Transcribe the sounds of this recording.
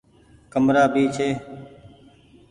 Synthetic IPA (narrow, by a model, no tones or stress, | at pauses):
kəmɾaːbiːt͡ʃʰeː